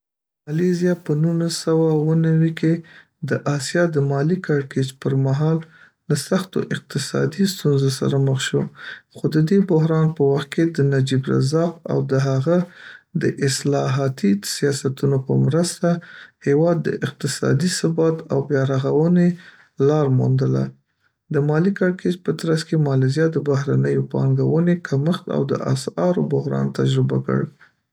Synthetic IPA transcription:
malezjɑpənunasawawənawike | d̪əʔɑsjɑd̪əmɑlikɑɾked͡ʒpəɾmaɦɑlː | asaxt̪o̰ʔɪq̚t̪ɪsɑ̰d̪ist̪unzosa̰ɾaməxʃoxod̪əd̪ebʊɦɾɑnpəwaxt̪̚kʰed̪ənad͡ʒibɾa̰zɑqa̰wd̪əɦaɣad̪əʔɪslɑɦɑt̪isijɑsat̪unopəmɾəst̪ahewɑd̪ːə̰ʔɪq̚t̪ɪsɑ̰d̪isəbɑt̪a̰wbjɑɾaɣawəne | lɑɾmund̪əla̰ | d̪əmɑlikaɽked͡ʒpət̪ɾaskemɑlɪzjɑd̪əbaɦɾanəjopɑ̰ŋɡawənekʰaməxt̪a̰wd̪ə̰ʔa̰sɑɾobʊɦɾɑ̰nt̪ad͡ʒɾɪba̰kə̰ɽ

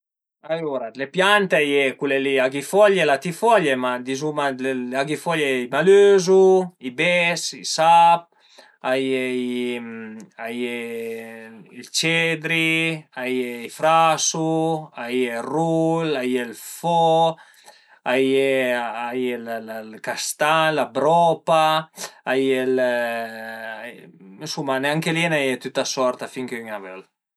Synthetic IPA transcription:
ajoɾalepjant̪eajekuleliaɡifɔʎelat̪ifɔʎemad̪izumaleaɡifɔʎeimaløzuibɛsisap̚ | ajeimaje | ilt͡ʃed̪ɾiajeifɾasuajerulajelfɔ | ajeajellalkast̪aŋlabɾɔpaː | jel | sumaneaŋkelienajet̪yt̪asɔɾt̪afiŋkeyŋaβɛl

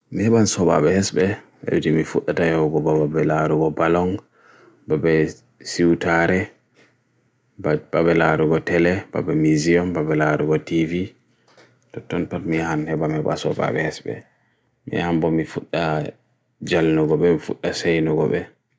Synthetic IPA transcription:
mihɛɓansɔba̰ɓɛhɛsbɛ | ʔa̰wd͡ʒimifuɗːatajɔwɡɔbababɛlaɾuɡɔbalɔŋ | babɛ | siwtaɾɛ | babɛlaɾuɡɔtɛlɛba̰bɛmiziɔnbabɛlaɾuɡɔtivi | tɔtːɔnpatmihanhɛbamhɛba̰sɔba̰ɓɛhɛsbɛ̰ | mḭhambɔmifuɗːa | d͡ʒalnuɡɔɓɛmifuɗːasajnuɡɔ̰ɓɛ̰

